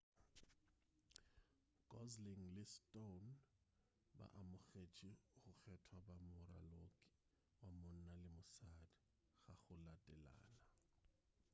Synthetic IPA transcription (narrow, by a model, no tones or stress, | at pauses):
ɡ̥ʼɔzliŋ̩lɪstʼon | ba̰ʔamʊɣet͡ʃʼihʊk͡xʰɛtʰwabamʊɾa̰loːkʼɪ̥ | wamʊn̩nalɪmʊsadi | ɣaχʊlatʼɛla̰ːna